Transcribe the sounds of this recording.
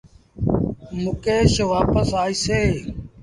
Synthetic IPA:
mʊkeːʃəʋaːpəsaːiːseː

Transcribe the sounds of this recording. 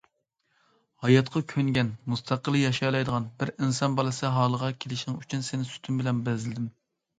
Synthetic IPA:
hɑjɑt̪qʰɑkʲʰøŋɡʲɛnmust̪ʰɑqəlˠɨjɑʃɑjlˠɑjd̪əʁɑnbɪɾinsɑnbɑlˠɨsɨɦɑːlˠəʁɑkʲʰelɪʃŋyt͡ʃʰynsenɪsy̥t̪ʰymbɪlɛnbɛzɪlɪd̪ɪm

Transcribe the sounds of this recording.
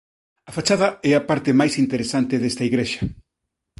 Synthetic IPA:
ɐfat͡ʃaðɐɛɐpaɾt̪ɪmajsint̪eɾesant̪ɪðɛst̪ɐiɣɾeʃɐ̥

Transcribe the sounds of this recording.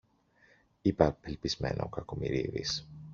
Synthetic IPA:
ipɐpelpizmḛnʔɐokɐko̞miɾiðis

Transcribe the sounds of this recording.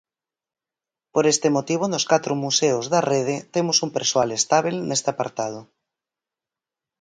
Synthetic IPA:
poɾest̪emot̪iβ̞onoskat̪ɾomuseozðareð̞et̪emosumpeɾswalest̪aβilnest̪eapa̰ɾt̪að̞o

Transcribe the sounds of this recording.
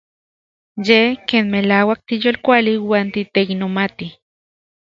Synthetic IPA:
jehkeːnmelaːwak̚t̪ijoːlkʷaliwaːnt̪it̪eiknomat̪i

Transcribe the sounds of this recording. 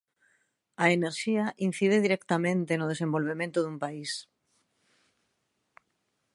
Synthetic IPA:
aeneɾʃiaʔin̟θiðeðiɾɛkt̪amẽnt̪enoð̞esembolβ̞emẽnt̪ʊðumpais

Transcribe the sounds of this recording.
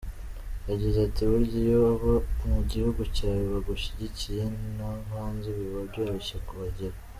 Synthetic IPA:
jaɟizatiβuɾɟijoβomuɟihuɡucaːwoβaɡuʃiɟicije̞naβaːnziβuɾiβaɾɟaɾoʃakuβaɟeɾa

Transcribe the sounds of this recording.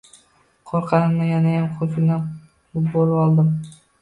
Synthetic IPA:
qʰoɾqʰɑnɪmnɪjanajamqʰosɪlna | bolˠɪpɒlˠd̪ɪm

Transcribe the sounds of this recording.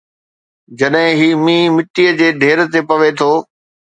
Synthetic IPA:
d͡ʑɐɗɦɪ̃ɦiːmĩːmɪʈːijəd͡ʑeːd̪ʱeːɾt̪epɐʋet̪ʰoː

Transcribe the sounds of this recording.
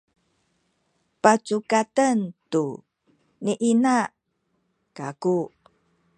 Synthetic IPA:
pat͡sukatəntu | niʔina | kaku

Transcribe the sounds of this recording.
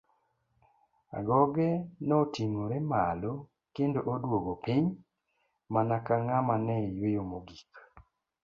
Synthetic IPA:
a̰ɡɔɡɛnɔtiŋoɾemalo | kendoʔodwoɡopiɲ | manakaŋamanɛjwejomoɡik

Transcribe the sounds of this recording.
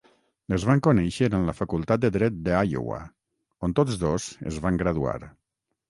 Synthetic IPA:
əzβaŋkonɛʃəɾənləfakulˠt̪at̪̚d̪əðɾɛt̪̚d̪əajo̰wa̰ | ont̪ozðozə̰zβaŋɡɾaðua̰ɾ

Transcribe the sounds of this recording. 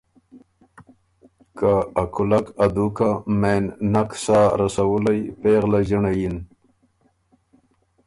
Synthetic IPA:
kaːkʰʊlakad̪ukamenːaksaɾasawulajpeɣlaʒiɳajin

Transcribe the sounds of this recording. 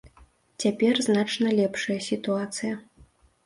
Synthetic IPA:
t͡sʲapʲɛrznat͡ʂnɐlʲɛpʂɐjɐsʲit̪uat̪sɨjɐ

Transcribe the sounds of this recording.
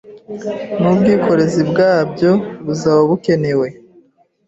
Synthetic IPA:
nubɡiːko̞ɾe̞zibɡaːbɟo̞βuzaβaβuke̞ne̞we̞

